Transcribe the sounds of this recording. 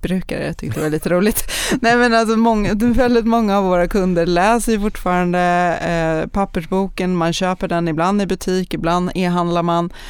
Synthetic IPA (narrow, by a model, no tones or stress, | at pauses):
bɾʉ̟ːka̰ɾə̰t̪ʰʏkt̪əd̪ɛvaliːt̪əɾuːlɪɡt̪nɛːmɛnamɔŋːavɛld̪ɪt̪mɔŋːaːvːoːɾakʰɵnd̪əɾɭɛːsəjʏfʊʈːfɑːɾand̪ə | pʰapːəʂbuːkənmanɕøːpəɖɛnɪbland̪ɪbɵt̪ʰiːkɪbland̪eːɦand̪laɾman